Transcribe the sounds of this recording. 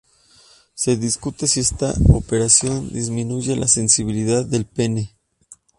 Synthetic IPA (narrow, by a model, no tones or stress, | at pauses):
se̞ðiskut̪e̞sie̞st̪a̰ope̞ɾasjo̞nd̪izmĩnuʝe̞lʔa̰se̞nsiβ̞iliðaðːe̞lpe̞ne̞